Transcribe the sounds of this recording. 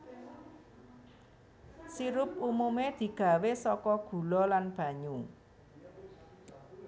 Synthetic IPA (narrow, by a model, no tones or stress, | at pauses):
siɾʊp̚umumed̪̥i̤ɡ̥a̤wesɔkɔɡ̥ṳlɔlanb̥ä̤ɲu